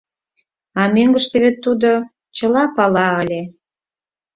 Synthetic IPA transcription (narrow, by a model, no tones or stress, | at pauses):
ɑmøŋɡəʃt̪eβet̪ːud̪o | t͡ɕəlɑpɑlɑəlʲe